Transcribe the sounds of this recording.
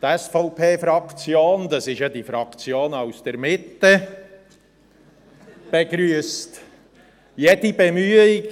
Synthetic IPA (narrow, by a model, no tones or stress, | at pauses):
t̪ɛsfɔʊpʰeːfɾɑkt͡sjoːnd̪ɑsɪʃjɑd̥̪ifɾɑkt͡sjoːnaʊsd̥əɾmɪt̪ːə | b̥eɡɾyəst | jɛd̥ibɛmyəɪɡ